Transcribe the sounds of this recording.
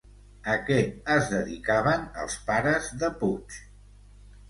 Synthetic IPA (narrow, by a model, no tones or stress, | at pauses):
əkɛəzðəðikaβənə̰lˠspaɾəzðəput͡ʃ